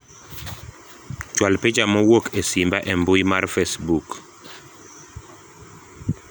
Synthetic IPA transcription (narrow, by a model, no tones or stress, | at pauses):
t͡ʃwalped͡ʒamɔwokesimbaʔɛmbʊjmarfesbuk